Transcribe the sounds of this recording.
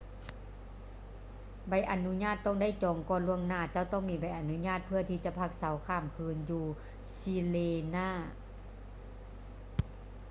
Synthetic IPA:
ba˧˩jʔa˨˩nu˧˥ɲaː˥˩t̪ːɔ˧˥˨ŋda˥˨jt͡ɕɔː˨˦ŋkɔː˧˨nlu˧˥˩əŋnaː˧˩t͡ɕa˧˥˩wt̪ɔː˧˥˩ŋmiː˧˩ba˧˩jʔa˨˩nu˧˥ɲaː˥˩t̪̚pʰɯ˥˩ɐt̪ʰiː˧t͡ɕa˧˨pʰa˧˩k̚sa˨˦wkʰaː˧˩mkʰɯː˧˥njuː˧ | si˧leː˧naː˧˥˩

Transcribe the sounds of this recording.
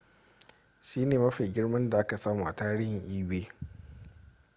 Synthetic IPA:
ʃiː˦neː˨mɐ˦ɸe˨ɡʲɪ˦ɽmɐ˦nda˨ʔa˦ka˨saː˦muː˦ʔa˨taː˦ɾɪː˦hɪ˨ŋʔiː˦weː˦

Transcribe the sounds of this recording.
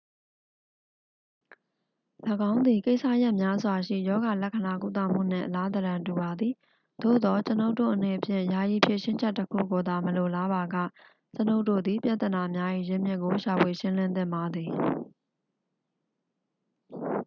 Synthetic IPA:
lə˨ɡã˦ʊ̃nd̪i˨ke˦ɪʔsä̰˦˨ja˦ʔmja˦zwa˨ʃḭ˦˨jɔ˦ɡa˨lɛ˦ʔkʰːə˨na˨ku˦˨t̪a̰˦˨m̥ṵ˦˨n̥ɪ̰̃˦˨ʔəla˦t̪əɾã˨ntu˨βa˨d̪i˨ | d̪̥o̰˦˨d̪ɔ˨t͡ɕəno˦ʊtːo̰˦˨ʔəne˨əpʰjɪ̰̃˦˨ja˨ji˨pʰje˨ʃɪ̃˦ɲd͡ʑɛ˦tːəkʰṵ˦˨ɡo˨d̪a˨məlo˨la˦ba˨ɡa̰˦˨ | t͡ɕəno˦ʊʔtːo̰˦˨d̪i˨pja˦ʔt̪ə˨na˨mja˦ʔḭ˦˨jɪ̃˦˨mjɪ˦ʔkːo˨ʃa˨pʰwe˨ʃɪ̃˦lɪ̃˦nd̪ɪ̰̃˦˨mba˨d̪ði˨

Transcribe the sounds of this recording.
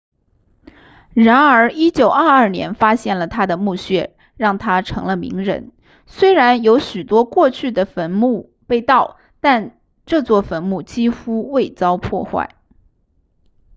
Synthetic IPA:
ɻa˧˥nə˞˧˥i˥t͡ɕjo˨˩ʊə˞˥˧ɐ˞˥˩njɛ̰˧˥nfa˥ɕjɛ˥˩nlə˩t̪ʰa˥d̪ə˨mu˥˧ɕɥɛ˥˩ | ɻɑ˥˩ŋt̪ʰa˥ʈ͡ʂʰɤ̰˧˥ŋlə˧mḭ˧˥ŋɻə̰˧˥n | swe˥ɪɻa˧˥njo˧˥ʊɕy˨˩t̪wɔ˥kwɔ˥˧t͡ɕʰy˥˩d̪ə˩fə˧˥nmu˥˧ | pe˥˧ɪt̪ɑ˥˩ʊ | t̪a˥˧n | ʈ͡ʂɤ˥˧t͡swɔ˥˩fə˧˥nmu˥˩t͡ɕi˥xu˥we˥˩ɪt͡sɑ˥ʊpʰwɔ̰˥˧xwa̰˥˩ɪ

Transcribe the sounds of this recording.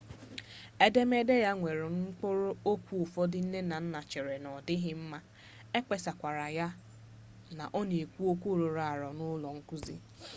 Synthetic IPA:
e˦de˦me˦de˦ja˦ŋʷe˨ɾʊ˨ŋ̩˦k͡po˦ɾo˦o˦kʷu˦ʊ˨fɔ˦dɪ˨n̩˦ne˦na˨n̩˦na˨t͡ʃe˨ɾe˨nɔ˨dɪ˦ɦɪ˦m̩˦ma˦ | e˦k͡pe˨sa˨kʷa˨ɾa˨ja˦ | na̰˨ʔɔ˦ne˨e˨kʷu˦o˦kʷu˦˨ɾo˨ɾa˨ɾɔ˨nʊ˦lɔ˨ŋ̩˦ku˦zḭ˦

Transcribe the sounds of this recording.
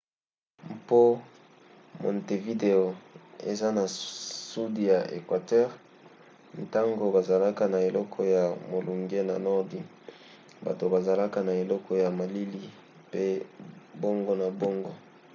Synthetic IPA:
mpo˦ | mɔ̰˨nte˨vi˦de˨o˨ḛ˨za˦na˨su˦di˨ja˨ʔḛ˨kwa˨tɛ˦ʁ | n˨ta˦ŋɡo˨ba˨za˨la˦ka˨na˨e˨lɔ˦kʰɔ˦ja˨mo˨lu˨ŋɡe˦na̰˨nɔ˦ʁdi˨ | ba̰˨to˨ba˨za˨la˦ka˨na˨e˨lɔ˦kʰɔ˦ja˨ma˨li˦li˦ | pe˦bo˦ŋɡo˦na˨bo˦ŋɡo˦

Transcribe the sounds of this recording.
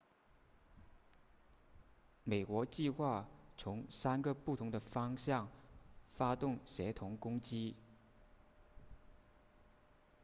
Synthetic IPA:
me˨˩ɪkwɔ˧˥t͡ɕi˥˧xwa˥˩t͡sʰʊ˧˥ŋsa˥nɡə˨pu˥˩t̪ʰʊ˧˥ŋd̪ə˧fɑ˥ŋɕjɑ˥˩ŋfa˥t̪ʊ˥˩ŋɕjɛ˧˥t̪ʰʊ˧˥ŋkʊ˥ŋt͡ɕi˥

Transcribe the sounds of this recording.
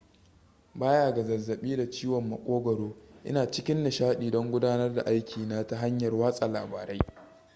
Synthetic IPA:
baː˦jaː˦˨ɡa˨zɐ˨zːɐ˨ɓiː˦da˨t͡ʃiː˦wɔ˨mːɐ̰˨kʷʼoː˦ɡɐ˨ɽoː˦ʔɪ˦naː˨t͡ʃɪ˦kʲɪ˦nːɐ˨ʃaː˦ɗiː˨dɔ˦ŋɡʷʊ˦daː˦nɐ˦rda̰˨ʔa˦jkʲʰiː˨naː˦ta˦ɦa˦ɲjɐ˨rwaː˦sʼa˨laː˨baː˨ɾa˦j

